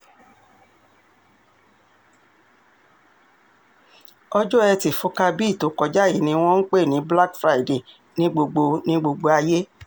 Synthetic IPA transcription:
ɔ˦d͡ʒɔ˦ɛ˧ti˨fu˧˦ka˧bi˦˨to˨kɔ˨d͡ʒa˦i˦˨nĩ˧w̃ɔ̃˦n̩˦k͡pe˦˨nĩ˨˦bla˦kfɾa˧i˦˨de˨ | nĩ˦ɡ͡bo˧ɡ͡bo˧nĩ˦ɡ͡bo˧ɡ͡bo˧a˧je˦

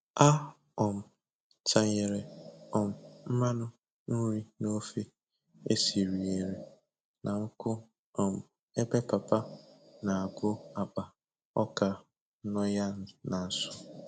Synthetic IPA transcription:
a˦ | ɔ˨m̩˨ | ta˨ɲe˨ɾe˨ɔ˨m̩˨m̩˦ma˦nʊ˦ | n̩˦ɾi˦no˦fe˦ | e˦si˨ɾi˨e˨ɾe˨ | nʔa˨ŋ̩˦kʊ˦ | ɔ˨m̩˨ | e˦be˦pa˨pa˦na˨a˨ɡʊ˦a˨k͡pa˨ | ɔ˦ka˨ | n̩˦nɔ˦ja˦na˨n̩˨sʊ˦

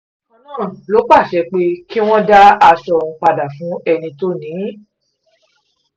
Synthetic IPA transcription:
ɔ̃˧˦nãː˦˨lo˨˦k͡pa˦˨ʃɛ˨˧˦k͡pe˧˦ki˦w̃ɔ̃˦da˦a˧ʃɔ̃˧k͡pa˧da˨fũ˨˦ɛ˧nĩ˧to˦nĩː˨˦

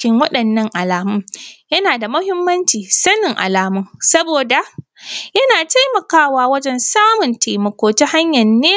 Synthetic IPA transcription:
kʲɪ˦ŋwɐ˦ɗɐ˨nːɐ˦ŋʔa˨laː˨mʊ˦mjɐ˦naː˨da˨mʊ˦hɪ˦mːɐ˦nt͡ʃiː˨sɐ˦nɪ˨ŋʔa̰˨laː˨mʊ˦ŋsɐ˦boː˨da˨ | jɐ˦naː˨ta˦jmɐ˨kaː˦waː˦wɐ˦d͡ʒɛ˦nsaː˦mʊ˨nta˨jmɐ˨kʷoː˨ta˦ha˦ɲjɐ˨nːeː˦

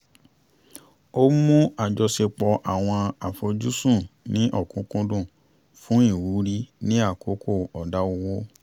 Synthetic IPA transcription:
o˦mũ˦a˦˨d͡ʒɔ˧se˧k͡pɔ˧ʔa˨w̃ɔ̃˧a˨fɔ˧d͡ʒu˦sũ˦˨nĩ˨˦ʔɔ˦˨kũ˦kũ˧dũ˦˨ | fũ˦i˦˨wu˨˦ɾi˦nĩ˦a˦˨ko˨˦kʰo˦˨ɔ˨da˨˦o˧wo˦

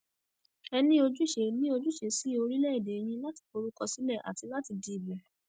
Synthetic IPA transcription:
ɛ˧nĩ˦o˧d͡ʒu˦˨ʃe˨nĩ˦o˧d͡ʒu˦ʃe˨si˨˦o˧ɾi˦lɛ˦i˦˨de˨˦j̃ĩ˧la˦ti̥˨˧ko˧ɾu˦kɔ˦˧si˨˦lɛ˦˨ʔa̰˨ti˧la˦ti˧di˧i˨lɛ˨

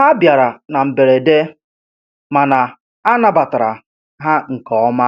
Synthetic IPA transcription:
ɦa˦bja˨ɾa˨na˨m̩˨be˨ɾe˨de˦ | ma˨na˨ | a˦na˨ba˨ta˨ɾa˨ | ɦa˦ŋ̩˨kɔ˨ɔ˦ma˦

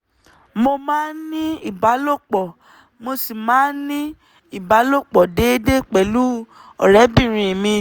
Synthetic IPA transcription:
mo˧mãː˦nĩ˦i˨ba˨˦lo˦˨k͡pɔ˨ | mo˧si˨mãː˨˦nĩ˦ | i˦˨ba˨˦lo˦˨k͡pɔ˨de˨˦de˦k͡pɛ˨lu˦ | ɔ̰˨ɾɛ˨˦bĩ˦˨ɾ̃ĩ˧˨mĩ˧

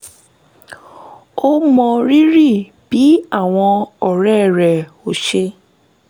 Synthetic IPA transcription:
o˦mɔ̃˧ɾi˦ɾi˦˨ | b̥i˨˦a˦˨w̃ɔ̃˧ɔ˨ɾɛ˦˨ɾɛ˨ | o˨ʃe˧

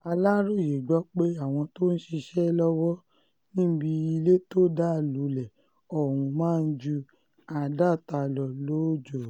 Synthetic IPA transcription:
a˧la˦ɾo˦˨je˨ɡ͡bɔ˨˦k͡pe˦a˦˨w̃ɔ̃˧to˦n̩˦ʃi˧ʃɛ˦lɔ˦wɔ˦ | nĩ˦bi˧i˧le˦to˦da˦˨lu˨˦lɛ˨ | ɔ˦˨hũ˧mãː˦˧n̩˦d͡ʒu˧ | a˨da˦˨ta˧˨lɔ˨lo˨˦d͡ʒo˨

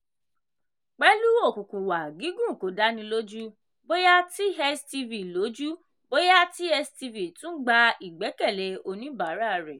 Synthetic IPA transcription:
k͡pɛ˦lu˦o˦˨kũ˨kũ˨wa˨ɡi˨˦ɡũ˦˨ko˨˦da˦nĩ˧lo˦d͡ʒu˦ | bo˦ja˦ti˦ɦɛ˧sti˧vi˨lo˨˦d͡ʒu˦ | bo˦ja˦ti˦ɛ˧sti˧vi˨tũ˦ɡ͡ba˧i˨ɡ͡bɛ˨˦kɛ˦˨lɛ˨o˧nĩ˦ba˨˦ɾa˦˨ɾɛ˨

